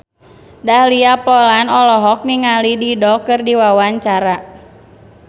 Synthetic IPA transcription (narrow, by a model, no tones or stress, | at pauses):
dahliapɔlanɔlɔɦɔk̚niŋalididɔkɨrdiwawaɲt͡ʃaɾa